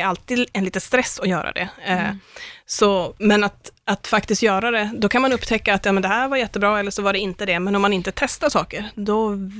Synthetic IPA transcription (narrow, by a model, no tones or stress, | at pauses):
alt̪iːd̪ɛnliːt̪əst̪ɾɛsːɔjœːɾa̰d̪ɛ̰ | sɔmɛnat̪at̪fakt̪ɪskt̪jœːɾad̪ɛd̪ɔkʰanmanɵpːt̪ʰɛkːaːt̪jɑːmɛnd̪ɛhæːɾvaɾjɛt̪ːəbɾɑːɛlːəʂɔvaɖɛɪnt̪əd̪ɛmɛnɔmːanɪnt̪ət̪ʰɛst̪aʂɑːkəɾd̪ɔ